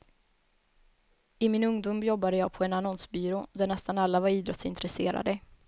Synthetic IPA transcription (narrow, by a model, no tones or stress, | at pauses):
ɪmɪnɵŋd̪uːmjɔbːad̪əjɑːɡ̚pʰɔɛnanɔnsbyːɾod̪æɳɛst̪analːavaɾiːd̪ɾɔt̪sɪnt̪ɾɛseːɾa̰d̪ə